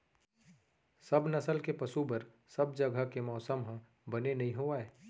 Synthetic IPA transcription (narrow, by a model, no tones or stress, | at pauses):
sɐbnɐsəlkepɐsubəɾ | sɐbd͡ʒɐɡʱəkemɔːsəmɦə̃ | bɐnenɐɦĩɦoaːeː